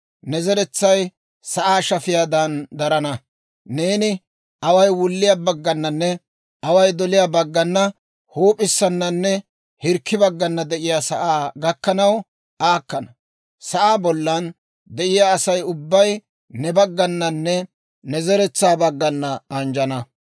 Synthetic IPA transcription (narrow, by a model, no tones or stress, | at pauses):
nɛzɛɾɛt͡sːɐj | sɐʔaːʃɐfɪjaːd̪ɐnd̪ɐɾɐnɐ | neːnɪ | ʔɐwɐjwʊlːɪjaːbɐɡːɐnːɐnːɛ | ʔɐwɐjd̪ɔlɪjaːbɐɡːɐnːɐ | hoːpʼɪsːɐnːɐnːɛ | hɪɾkːɪbɐɡːɐnːɐd̪ɛʔɪjaːsɐʔaːɡɐkːɐnɐw | ʔaːkːɐnɐ | sɐʔaːbɔlːɐn | d̪ɛʔɪjaːsɐjʊbːɐj | nɛbɐɡːɐnːɐnːɛ | nɛzɛɾɛt͡sːaːbɐɡːɐnːɐɐnd͡ʒɐnɐ